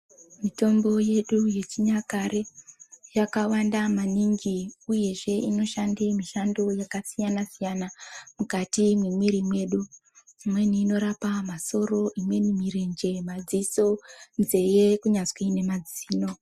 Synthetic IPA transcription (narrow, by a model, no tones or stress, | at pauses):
mito̞mbo̞je̞ɗuje̞t͡ʃiɲakaɾejakawandamaniŋɡiuje̞ʐe̞ʔino̞ʃandemiʃando̞jakasijanasijanamukatimwemwiɾimwe̞ːɗu | imwe̞niːno̞ɾapamaso̞ɾo̞ʔimwe̞nimiɾe̞nd͡ʒe̞mad͡ziso̞nze̞jekuɲazwine̞mad͡ziːno̞